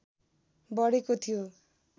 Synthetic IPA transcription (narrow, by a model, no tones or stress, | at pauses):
bʌɽekot̪ʰijo